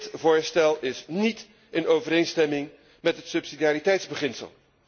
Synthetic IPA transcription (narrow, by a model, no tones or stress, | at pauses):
tvʊːɹstɛlˠɪsnit | ənowvəɾejnstɛmɪŋ | mɛtɦətsɵpsidiaːɾitɛjtzbəχɪnsə̰lˠ